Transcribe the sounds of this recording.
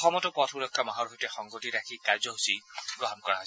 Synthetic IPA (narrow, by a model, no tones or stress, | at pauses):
xɔmɔtɔpɔtʰulɔkʰːamaɦɔɹɦojtɛxɔŋɡotiɹakʰikaɹzɔɦosiɡɹɔɦɔnkɔɹaɦɔ